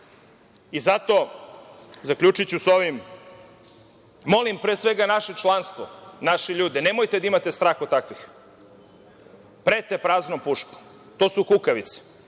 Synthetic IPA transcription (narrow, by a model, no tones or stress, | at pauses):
izat̪o̞ | zakʎʲut͡ʃit͡ɕuso̞ʋim | o̞limpɾeːsʋe̞ɡanaʃet͡ʃlˠanst̪ʋo̰naʃeʎuːd̪ɛne̞mojt̪ed̪aimat̪est̪ɾaːxot̪t̪ːakʋix | pɾet̪epɾaːznompuʃko̥ | t̪oːsukukaʋit̪se̥